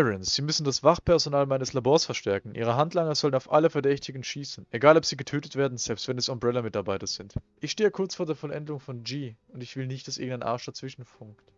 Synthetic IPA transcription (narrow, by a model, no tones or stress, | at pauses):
ɛʁənsz̥iːmʏsn̩dasv̥aχpʰɛɐzonaːlmaɪnəslaboːɐsfɛɐʃtɛɐkŋ̩ʔiːʁ̞əɦantʰlaŋəzɔlənaʊfʔaləfɛɐdɛçtɪɡn̩ʃiːsn̩ʔeɡaːlɔpz̥iːɡətʰøːtətv̥eːɐdn̩z̥ɛlpstv̥ɛnɛsɔmbʁɛlamɪtaɐbaɪtɐz̥ɪntʔɪçʃteːəkʰʊɐt͡sfoːɐdeːɐfɔlʔɛndəlʊŋfɔnd͡ʒiːʊntɪçv̥ɪlnɪçt̚d̥asʔɪ̰ɐɡŋ̩aɪnʔa̰ɐʃd̥aɐt͡sv̥ɪʃn̩fʊŋkt